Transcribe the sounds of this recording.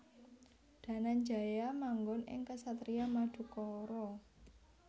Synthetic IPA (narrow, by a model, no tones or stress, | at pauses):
d̥ä̤nand͡ʒa̤jamaŋɡɔnɪ̰ŋkəsat̪ɾiamad̪̥ṳkɔɾɔ